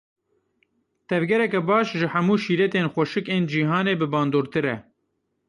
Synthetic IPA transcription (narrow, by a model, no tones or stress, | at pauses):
t̪ʰɛvɡɛɾɛkɛbɑːʃʒɨhɐmuːʃiːɾɛt̪eːnxʷɛʃɨkeːnd͡ʒiːɦɑːneːbɨbɑːnd̪oːɾt̪ɨɾɛ̰